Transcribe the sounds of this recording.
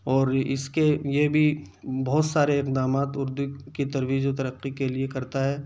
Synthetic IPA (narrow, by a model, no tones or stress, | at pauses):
ɔːɾɪ̰skejebʱi | bɔɦːt̪saːɾeɪqd̪aːmaːt̪ʊɾd̪ukit̪ɐɾʋiːd͡ʒot̪ɐɾəqːikeliekɐɾt̪aɦɛː